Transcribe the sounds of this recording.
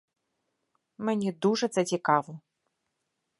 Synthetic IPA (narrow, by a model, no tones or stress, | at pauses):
mɨnʲɛd̪uʐɐzɐt͡sʲikavu